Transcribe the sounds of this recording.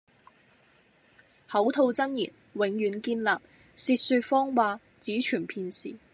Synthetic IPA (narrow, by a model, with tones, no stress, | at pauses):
hɐ˨˥wt̪ʰo˧wt͡sɐ˥njḭː˨˩n | wɪ˨˧ŋjyː˨˥nkiː˧nlaː˨p̚ | siː˧t̚syː˧t̚fɔː˥ŋwaː˧ | t͡siː˨˥t͡ʃʰyː˨˩npʰiː˧nsḭː˨˩